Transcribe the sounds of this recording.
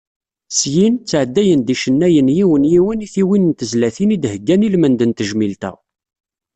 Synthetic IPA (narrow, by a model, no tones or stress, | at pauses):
sjint͡sːʕəd̪ːæjənd̪iʃənːæjənjiwənjiwəniθiwinnt̪əzlæθinid̪həɡːænilmənd̪ənt̪əʒmilt̪æ̰